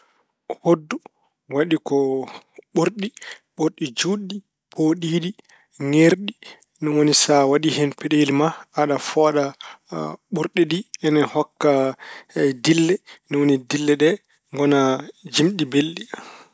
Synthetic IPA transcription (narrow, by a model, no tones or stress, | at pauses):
hodːu | waɗikɔɓoɾɗiɓoɾɗid͡ʒuɗi | pʰoɗiːɗi | ŋeɾɗi | nɔwonisawaɗihɛnpɛɗelimaaɗafɔɗa | ɓuɾɗiɗiɛnɛhɔkːa | dilːɛnɔwonidilːɛɗɛ | ŋɡɔnad͡ʒimɗibelɗi